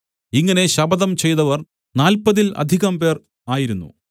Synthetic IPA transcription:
iŋːɐne̞ɕɐbɐðɐmt͡ɕe̞jnɐʋɐr | naːlpɐðilɐ̰d̪ʱiɣɐmp̬e̞ːr | aːjiɾunːṵ

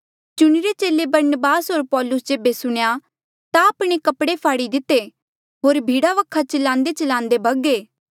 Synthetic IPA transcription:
t͡ʃʊɽ̃iɾet͡ʃeːlebɐɾnəbaːsɦoːɾpɔːlʊsd͡ʒeːbesʊɽ̃eja | t̪aəːpɽ̃ekɐpɽepʰaːɽid̪ɪt̪ːe | ɦoːɾbʱiːɽaʋəkʰːat͡ʃɐlãːnd̪et͡ʃɐlãːnd̪ebʱɐɡeː

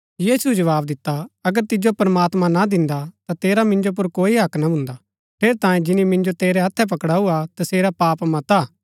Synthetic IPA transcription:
jiːsud͡ʒɐʋaːbd̪ɪt̪ːaɐɡəɾt̪ɪd͡ʒopɾɐmaːt̪mãnad̪ɪ̃nd̪at̪at̪eːɾamɪ̃nd͡ʒop̬ʊɾkoːiɦɐknabʱʊ̃nd̪a | pʰeːɾt̪ãːjẽd͡ʒɪnimɪ̃nd͡ʒot̪eːɾɛɦɐt̪ʰːɛp̬ɐkɽaːuat̪ɐseːɾapaːpmɐ̃t̪aː

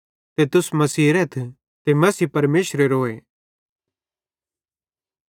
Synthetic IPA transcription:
t̪et̪ʊsmɐsiːɾɛt̪ʰ | t̪emɐsiːpɐɾmeːʃɾeɾoːe

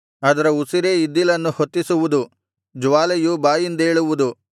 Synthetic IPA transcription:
ɐd̪ɐɾɐusiɾeid̪ːilɐnːuhot̪ːisuʋud̪u | d͡ʒuʋaːlɐjubaːjind̪ɐe̞ːɭuʋud̪u

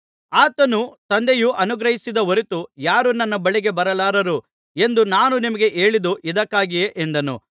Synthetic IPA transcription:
aːt̪ɐnut̪ɐnd̪ejuʔɐnuɡɾɐɦisid̪ɐɦoɾit̪ujaːɾunɐnːɐbɐɭiɡe̞bɐɾɐlaːɾɐɾu | e̞nd̪unaːnunimɐɡe̞ʔe̞ːɭid̪uʔid̪ɐkːaːɡijeʔend̪ɐnṵ

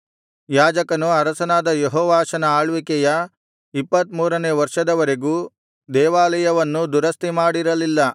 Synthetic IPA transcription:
jaːd͡ʒɐkɐnuɐɾɐsɐnaːd̪ɐjeɦɔːʋaːʃɐnɐaːɭʋikɛjɐ | ipːɐt̪muːɾɐneːʋɐɾʂɐd̪ɐʋɐɾeɡuː | d̪ɛːʋaːlɐjɐʋɐnːud̪uɾɐst̪imaːɽiɾɐlilːɐ

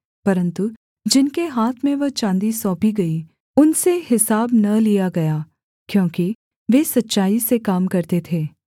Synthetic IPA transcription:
pɐɾə̃nt̪u | d͡ʒɪnkeɦaːt̪ʰmẽʋɐt͡ʃãːnd̪isɔːpiɡɐi | ʊnseɦɪsaːbnɐlijaɡɐjaː | kjõːki | ʋeːsɐtːʃaːisekaːmkɐɾt̪et̪ʰeː

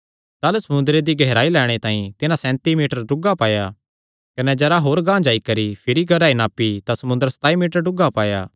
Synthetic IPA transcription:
t̪aːlusɐmʊ̃nd̪ɾed̪iɡʱɛɦɾaːilɛːɽ̃et̪ãːĩt̪ɪnãsɛ̃ːnt̪imiːʈəɾɖʊɡapaːja | kɐnɛd͡ʒɛːɾaɦoːɾɡãːd͡ʒaːikɐɾipʰɪɾiɡʱɐɾaːinaːpit̪ãsɐmʊ̃nd̪əɾsɐ̥t̪aːimiːʈəɾɖʊɡapaːja̰ː

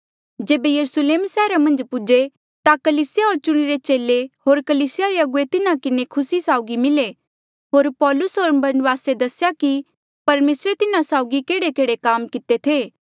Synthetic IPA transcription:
d͡ʒeːbejɐɾʊsleːmsɛːɾamɐ̃nd͡ʒpʊd͡ʒe | t̪akɐliːsɪjaɦoːɾt͡ʃʊɽ̃iɾet͡ʃeːleɦoːɾkɐliːsɪjaɾeɐɡʊet̪ɪnãkɪnekʰʊsisaːʊɡimɪle | ɦoːɾpɔːlʊsɦoːɾbɐnʋaːsed̪ɐsɪjaki | pɐɾmeːsɾet̪ɪnãsaːʊɡikeːɽekeːɽekaːmkɪt̪et̪ʰeː

